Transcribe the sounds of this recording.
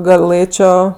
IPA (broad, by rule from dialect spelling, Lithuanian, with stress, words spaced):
ɡɐˈlˠɘt͡ʃʲoː